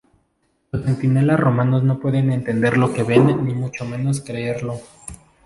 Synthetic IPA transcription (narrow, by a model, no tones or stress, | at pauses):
losent̪ine̞lasro̞mano̞zno̞pwe̞ðe̞ne̞nt̪e̞nd̪e̞ɾlo̞ke̞βe̞nːimut͡ʃo̞mẽ̞no̞s̬kɾeeɾlo̞